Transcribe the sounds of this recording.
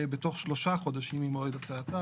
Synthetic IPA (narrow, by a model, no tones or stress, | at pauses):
beto̞χʃlo̞ʃaχo̞d̪aʃimimoed̪at͡saːt̪a